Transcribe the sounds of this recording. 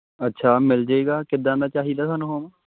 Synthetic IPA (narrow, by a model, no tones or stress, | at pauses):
ətːʃʰaːmɪld͡ʒaːiːɡaːkɪd̪ãːd̪aːt͡ʃaːɦiːd̪aːsaːnũːɦoːm